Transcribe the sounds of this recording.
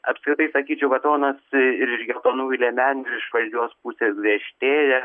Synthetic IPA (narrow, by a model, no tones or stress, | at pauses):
ɐpskɾʲɪt̪ɐɪsɐkʲiːt͡ʃʲɛʊkɐt̪oːnɐsɪɾɪʃɡʲɛt̪oːnuːlʲɛmʲæːnʲʊɪɾɪʃʋɐlʲd͡ʒʲuːspusʲeːsɡʋʲiɛʃʲt̪ʲeːjɛ